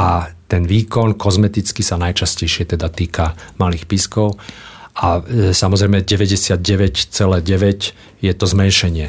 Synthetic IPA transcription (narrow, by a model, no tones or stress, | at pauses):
ʔat̪ɛnʋiːkɔnkɔzmɛt̪it͡skisanajt͡ʃascɛjʃɪɛt̪ɛd̪at̪iːkamaliːxpiskɔʊasamɔzɾɛjmɛɟɛʋɛɟɛsɪad̪̚ɟɛʋɛct͡sɛlɛːɟɛʋɛc | jɛt̪ɔzmɛnʃɛɲɪɛ